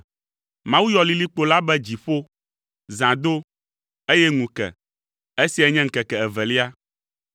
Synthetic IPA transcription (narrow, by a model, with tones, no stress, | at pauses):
mã˦wu˦jɔ˨li˦li˦k͡po˦la˦bɛ˦d͡ʑi˨ɸo˦ | zã˨d̪o˦ | e˦jɛ˦ŋũ˨kɛ̰˨ | e˦si˨˦ɛ˨ɲɛ̃˦ŋ̩˨kɛ˨kɛ˨ɛ˨vɛ˨li˦a˦